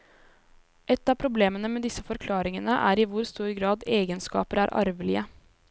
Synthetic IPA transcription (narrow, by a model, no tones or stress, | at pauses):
ʔɛt̪ːɑːpʰɾʊbleːmənəmeːd̪ɪsːəfɔɾkʰlɑːɾɪŋənəʔæ̰ːɾɪʋʊɾst̪uːɾɡɾɑːd̪eːɡənskɑ̰ːpəɾæːɾʔɑ̰ɾʋlɪə